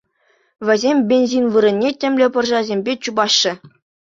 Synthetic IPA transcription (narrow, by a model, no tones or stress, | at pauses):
ʋʲɘ̆zʲemʲbʲenʲzʲinʋɯɾɘ̆nʲːetʲɘ̆mʲlʲɘ̆pɤ̆rʐɑzʲemʲbʲet͡ɕubɑɕːɘ̆